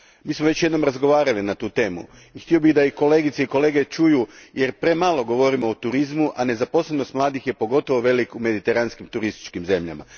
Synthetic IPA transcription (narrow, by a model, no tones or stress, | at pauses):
miːsmoʋe̞t͡ʃt͡ɕje̞d̪no̞mɾazɡo̞ʋaːɾalinat̪uːt̪e̞ːmṵ | ixt̪io̞biɣd̪aiko̞le̞ːɡit̪seiko̞leɡe̞t͡ʃujuje̞ɾpɾe̞malˠo̞ɡo̞ʋo̞ɾimo̞ːt̪uɾizmuʔane̞zapo̞slebno̞st̪mlˠaːd̪ixje̞po̞ɡo̞t̪o̞ʋoʋe̞likume̞d̪it̪e̞ɾanskimt̪uɾist̪i̥t͡ʃkimze̞mʎa̰ma̰